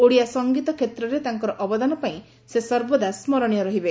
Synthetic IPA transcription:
oɽijasɔŋɡit̪ɔkʰet̪ɾɔɾet̪aŋkɔɾɔʔɔbɔd̪anɔpaĩ | sesɔɾbɔd̪asmɔɾɔɽ̃ijɔɾɔɦibe

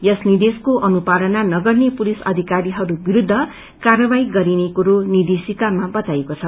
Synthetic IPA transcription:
jʌsnid̪eskoʔʌnupaɾʌnanʌɡʌrnepulisʌ̰d̪ʱikaɾiɦʌɾubiɾud̪ʱːʌ | karʌbaiɡʌɾinekuɾonid̪esikamabʌt̪aekot͡sʰʌ

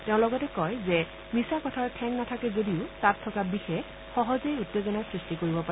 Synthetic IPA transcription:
teʊ̃lɔɡɔtɛkɔjzɛ | misakɔtʰaɹtʰɛŋnatʰakɛzodiʊtatʰːɔkabixɛ | xɔɦɔzejutːezɔnasɹistikoɹibɔpa

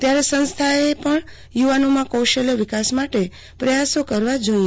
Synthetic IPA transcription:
t̪jaɾesə̃ñst̪ʰaepəɳ | juʋanomãkowʃəloʋɪkasmaʈe | pɾəjasokəɾʋad͡ʒoi

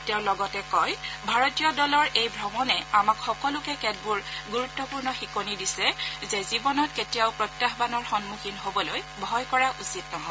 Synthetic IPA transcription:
tɛʊ̃lɔɡɔtɛkɔjbʱaɹɔtijɔdɔlɔɹejbʱɹɔmɔnɛamakxɔkɔlʊkɛkɛd̚buɹɡuɹutːɔpuɹnɔxikonidisɛzezibɔnɔtketijaʊpɹɔtːaxbanɔɹxɔnmuxʰinɦobɔloj | bʱɔjkɔɹaʔusitnɔɦɔ

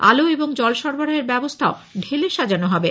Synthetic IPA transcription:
a̰loeboŋd͡ʑɔlʃɔɾboɽaɦeɾbɛbost̪ʰaoɖʱeleʃad͡ʑanoɦɔbe

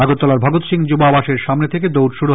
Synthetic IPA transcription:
aɡot̪ːɔlaɾbʱaɡot̪ʃiŋd͡ʑobabaʃeɾʃamnet̪ʰek̬ed̪owɖʃuɽu

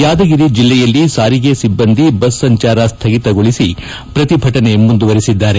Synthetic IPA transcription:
jaːd̪ɐɡiɾid͡ʒilːɛjɐlːisaːɾiɡe̞sibːɐnd̪ʱibɐsːɐɲt͡ʃaːɾɐst̪ʰɐɡit̪ɐɡo̞ɭisi | pɾɐt̪ibʱɐʈɐne̞mund̪uʋɐɾisid̪ːaːɾe

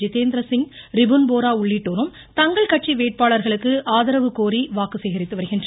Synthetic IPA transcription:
d͡ʒit̪eːnd̪ɾɐsɪŋɾɪbɯnboːɾaːʊɭːɪʈːoːɾɯm | t̪ɐŋɡɐɭkɐʈ̚t͡ʃiʋeːʈ̚paːɭɐɾɣɐɭɯkːɯʔaːðɐɾɐʋɯkoːɾiʋaːkɯseːɣɐɾɪt̪ːɯʋɐɾɯɣɪndrɐ

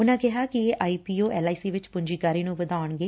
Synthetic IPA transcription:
ʊnãːkɪɦaːkɪeːʔaːiːpiːoːʔɛːlaːiːsiːʋɪt͡ʃpʊɲd͡ʒiːkaːɾiːnũːʋəd̪aːəɳɡeː

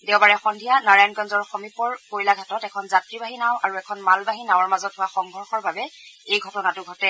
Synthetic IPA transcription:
dɛʊbaɹɛxɔndʱijanaɹajankɔnzɔɹxɔmipɔɹkojlaɡʱatɔtɛkʰɔnzatɹibaɦinaw̃ʔaɹuɛkʰɔnmalbaɦinaw̃aɹmazɔthʊaxɔŋɡʱɔɹxɔɹbabɛejɡʱɔtɔnatʊɡʱɔtɛ

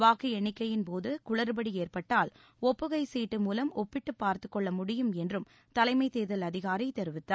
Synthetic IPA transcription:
ʋaːkɯɛɳːɪkːɐjɪnpoːðɯkʊɭɐɾɯbɐɽieːrpɐʈːaːl | ɔpːɯɣɐɪsiːʈːɯmuːlɐmɔpːɪʈːɯpːaːɾt̪ɯkːɔɭːɐmʊɽɪjɯmɛndrɯm | t̪ɐlɐɪmɐɪt̪eːðɐlɐðɪɣaːɾɐɪt̪ɛɾɯʋɪt̪ːaː

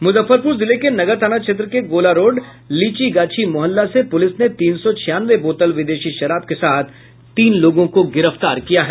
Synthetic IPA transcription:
mʊzəfːəɾpʊɾzɪlekenɐɡəɾt̪ʰaːnat͡ʃʃʰet̪̬ɾəkeɡoːlaɾoːɖ | liːt͡ʃiɡaːt͡ʃʰimʊɦəlːasepʊlɪsnet̪iːnsɔt͡ʃʰɪjaːnʋeboːt̪əlʋɪd̪eːʃiʃɐɾaːb̚kesaːt̪ʰ | t̪iːnloːɡõkoɡɪɾəft̪aːɾkijaɦɛː

